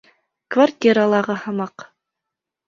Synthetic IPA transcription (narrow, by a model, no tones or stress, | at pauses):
kvartʲiɾalˠɑʁɤhɑ̆mɑq